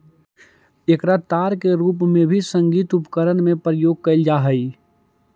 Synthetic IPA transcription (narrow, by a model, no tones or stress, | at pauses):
ekɾət̪aːɾkeɾuːp̬mẽbʱisə̃ŋɡiːt̪ʊpkəɾənmẽpɾəjoːɡ̚kəɪld͡ʒaːɦəi